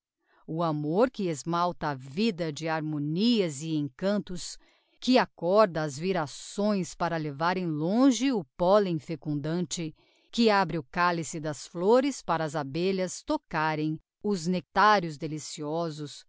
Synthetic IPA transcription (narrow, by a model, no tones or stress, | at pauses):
ʊamoɾkɪezmawt̪ɐːvid̪ɐd͡ʒɪaɾmõniɐzɪẽkɐ̃nt̪ʊs | kɪakɔɾd̪ɐːzviɾasõj̃spaɾɐlevaɾẽj̃lõʒɪʊpɔlẽj̃fekũnd̪ɐ̃nt͡ʃɪ | kɪabɾɪʊkalisɪd̪ɐsfloɾɪspaɾɐːzabeʎɐst̪okaɾẽj̃ | ʊznek̚t̪aɾjʊzd̪elisiɔzʊs